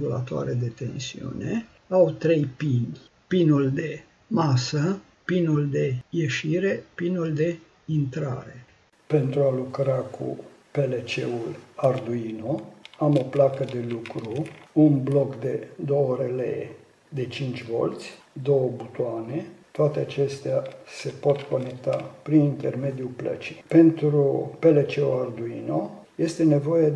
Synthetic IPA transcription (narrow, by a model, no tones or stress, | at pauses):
ɡula̰t̪oa̰ɾed̪e̞t̪e̞nsiṵne | awt̪ɾejpin | pinuld̪e̞ | masə | pinuld̪e̞jeʃiɾe̞pinuld̪e̞ | int̪ɾa̰ɾe | pe̞nt̪ɾualukɾakʰṵ | pe̞let͡ʃḛulard̪uinoamo̞plakəd̪e̞lukɾuunblo̞kd̪e̞d̪o̞wəɾelḛḛ | d̪e̞t͡ʃint͡ʃʲvo̞̰lt̪sʲ | d̪o̞wəbut̪uanet̪oʊat̪eat͡ʃe̞st̪ease̞po̞t̪ko̞ne̞kt̪apɾinint̪e̞̰rme̞d̪iuplə̰t͡ʃi̥pe̞nt̪ɾupe̞let͡ʃe̞ulard̪uḭnoje̞st̪e̞ne̞vo̞je